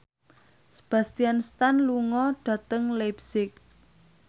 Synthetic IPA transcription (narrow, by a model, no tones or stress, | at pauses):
sə̥b̥a̤st̪ianst̪anluŋɔɖ̥ä̤t̪əŋlabsɪk̚